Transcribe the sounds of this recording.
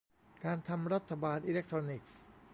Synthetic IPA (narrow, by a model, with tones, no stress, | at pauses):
kaː˧nt̪ʰa˧mɾa˦˥t̪ʰːa˧baː˧nʔiː˧le˦˥k̚t̪ʰɾoː˧ni˨˩k̚s